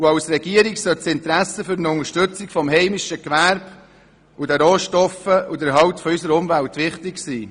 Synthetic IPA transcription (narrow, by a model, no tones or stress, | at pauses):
uɑwsɾɛɡ̥iəɾiksœt͡sɪnt̪ɾæsəfʏɾnəʊŋəɾʃtʏt͡sɪkfɔmɦɛɪmɪʃəkʋæɾb̥ | ʊdɛɾoːʃtɔfəudəɾɦɑwtfɔysəɾʊmvæltʋɪχtɪksiː